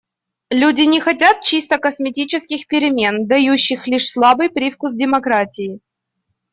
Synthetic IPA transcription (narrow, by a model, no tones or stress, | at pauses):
lʲudʲɪnʲɪxɐtʲat̪̚t͡ɕist̪əkəsmʲɪtʲit͡ɕɪskʲɪxpʲɪɾʲɪmʲe̞nd̪ɐjuɕːɪxlʲiʂslˠabɨjpɾʲifkusdʲɪmɐkɾatʲɪjɪ